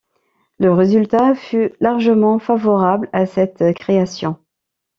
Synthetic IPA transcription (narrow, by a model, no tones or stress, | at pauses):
ləʁezylt̪afylaʁʒəmɑ̃favɔʁablasɛt̪kχeasjɔ̃